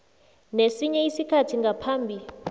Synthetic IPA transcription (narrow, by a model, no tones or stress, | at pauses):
nesiɲɛisikʰatʰiŋɡapʰaːmbʱi